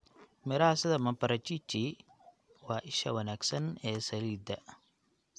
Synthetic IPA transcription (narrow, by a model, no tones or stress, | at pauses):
mɪɾaːsɐd̪ɐmɐpɐɾɐt͡ʃit͡ʃːi | waːʔɪʃɐ̰wɐnaːksɐnɛːsɐliːd̪ɐ